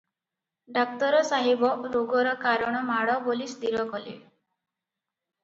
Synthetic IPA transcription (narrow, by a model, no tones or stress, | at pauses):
ɖak̚t̪ɔɾɔsaɦibɔɾoɡɔɾɔkaɾɔɽ̃ɔmaɽɔbolisd̪iɾɔkɔlḭ